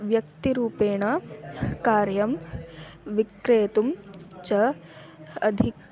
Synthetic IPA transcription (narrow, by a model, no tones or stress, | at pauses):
ʋjɐk̚t̪iɾuːpeːɳɐkaːɾjɐm | ʋikɾeːt̪umt͡ʃɐ | ɐd̪ʱik